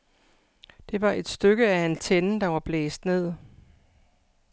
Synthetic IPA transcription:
d̥e̝ʋɑ̈ʔe̝d̥sd̥øɡ̥əæent͡sʰenəd̥ɑ̈ʋɑ̈b̥lḛːsd̥ne̝ð̰ˠ

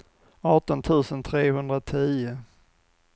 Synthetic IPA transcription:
ɑːʈɔnt̪ʰʉ̟ːsənt̪ʰɾeːhɵnd̪ɾat̪ʰiːʊ

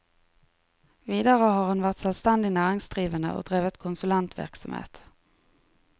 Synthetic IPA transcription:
viːd̪aʁəɦɑɾhʊnvæʁt̪sɛlst̪ɛnd̪ɪnæːʁɪŋsd̪ʁiːvənd̪ə̰ʔɔ̰d̪ʁeːvət̪kʰʊnsɵlɛnt̪ʰvæ̰ʁksamhḛːt̪

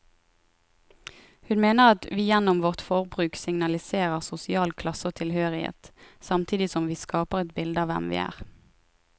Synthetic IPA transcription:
hʉnmeːnəʁɑt̪ʋiːjɛnʊmʋɔʁt̪fɔʁbʁʉːksɪŋnɑlɪseːʁəʁsʊsɪɑːlkʰlɑsoːt̪ʰɪlhøːʁɪhḛːt̪sɑmt̪ʰiːd̪ɪsɔmʋiːskɑːpəʁɛt̪̚bɪld̪əɑːʋɛ̰mʋḭːæ̰ːʁ

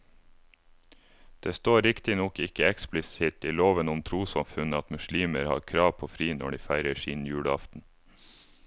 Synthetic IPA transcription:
d̪̥eːst̪oːɾɪkt̪ɪnɔkɪkəɛksplɪsɪt̪iːloːʋənʊmt̪ʰɾuːsɑmfʉnəɑt̪mʉʃliːməɾhɑ̰ːɾkʰɾɑːʋpʰoːfɾiːnɔɖiːfæɪɾəʃiːnjʉːɽəɑft̪n̩

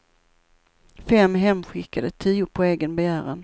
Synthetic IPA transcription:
fɛmːɦɛmːɧɪkːad̪ət̪ʰiːʊpʰɔeːɡənbɛjæːɾən

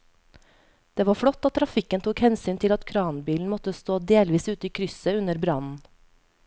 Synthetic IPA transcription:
d̪̥eːʋɑːfɽɔt̪ːɑt̪ʰːɾɑfɪkənt̪ʰuːkhɛnsyːnt̪ʰɪlɑt̪kʰɾɑːnbiːln̩mɔt̪əst̪oːd̪eːlʋiːsʉːt̪əiːkʰɾʏsəʉnəɾbɾɑnn̩

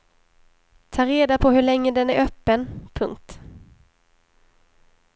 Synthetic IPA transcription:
t̪ʰɑːɾeːd̪apʰɔɦɵɭɛŋːəd̪ɛnæɾʔœːpːənpʰɵŋk̚t̪

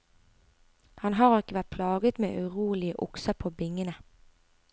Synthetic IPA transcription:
hɑnɦɑːʁɪkəʋæt̪̚pʰlɑːɡət̪mḛːʔʉʁuːlɪəʔʊksəpʰoːbɪŋənə

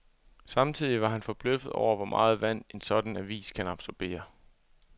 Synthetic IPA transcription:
sɑ̈mt͡sʰið̞̰ˠiʋɑ̈ɦænfɒ̽b̥løfð̩ˠɒʊ̰ɐʋɒmʔɑ̈ːð̞̩ˠʋæn̰e̝nsɒ̽d̥n̩æʋḭːskʰænɑ̈b̥sɒb̥e̝̰ːɐ

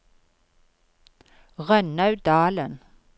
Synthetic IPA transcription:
ʁœnɑʉd̪ɑːlən

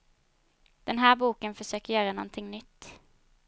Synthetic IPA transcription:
d̪̥ɛnɦæːbuːkənfɔsøːkəɾjœːɾənɔnt̪ʰɪŋnʏt̪ː

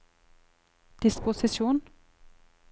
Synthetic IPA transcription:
d̪̥ɪspʊsɪsuːn

